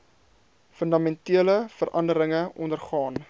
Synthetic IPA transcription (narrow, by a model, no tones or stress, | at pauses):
fəndɑmɛntiələfəɾʔɐ̰ndəɾəŋəʔɔ̰ndərχɑːn